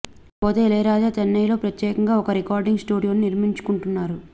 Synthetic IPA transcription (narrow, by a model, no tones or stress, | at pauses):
poːt̪eːlɐjɾaːd͡ʒaːt̪ɐnːɐjlo̞ːpɾɐt̪jɛːkɐŋɡaːɔkɐɾikaːɾɖiŋɡsʈuːɽijoːnuniɾmiɲt͡ʃu̥kuɳʈunːaːɾu